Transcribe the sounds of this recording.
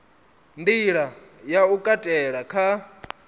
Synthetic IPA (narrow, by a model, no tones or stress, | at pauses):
ndiɺa | jaukʼatʼɛɺakʰa